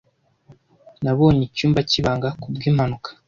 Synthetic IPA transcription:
naβo̞ːɲecuːmbaciβaːŋɡakubɡiːm̥hanukḁ

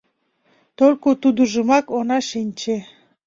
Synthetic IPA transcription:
t̪olʲkot̪ud̪uʒəmɑkonɑʃinʲt͡ɕe

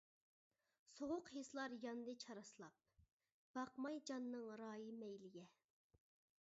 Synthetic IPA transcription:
soʁʊqheslˠɑɾjɑnd̪ɨt͡ʃʰɑɾɑslˠɑp̚ | b̥ɑqmɑjd͡ʒɑnːɨŋɾɑːjimɛjlɪɡʲɛ

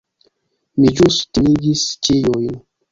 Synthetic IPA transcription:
mid͡ʒustiiɡist͡ʃijojn

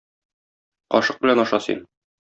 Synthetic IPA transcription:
qɒ̰ʃɤq̚bɘ̆lænɒʃɑsḭn

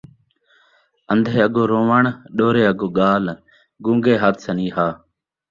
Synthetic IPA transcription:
ənd̪ʱeːəɠoːɾoːʋəɳɗoːɾeːəɠoːɠaːl | ɡũːŋɡeːɦaːt̪ʰsəniːɦaː

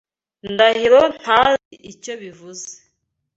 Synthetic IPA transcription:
ndahiɾon̥haziʔico̞βivuze̥

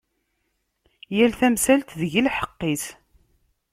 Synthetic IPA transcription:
jælθæmsælt̪ðəʝilħə̥qːis

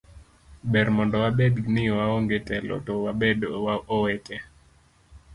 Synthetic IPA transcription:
bɛɾmɔndɔwabednɪwaoŋɡetɛlɔ̰towabedowaʔowɛtɛ

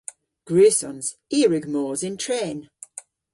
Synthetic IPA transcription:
ɡ̥ɹʉːsɔ̃nz̥ | iːɹɪɡmɔːzɪ̃ntʰɹ̥ẽːn

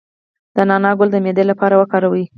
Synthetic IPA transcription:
d̪̥ənɑnɑɡʊld̪əmed̪elapɑɾawəkɑɾawi

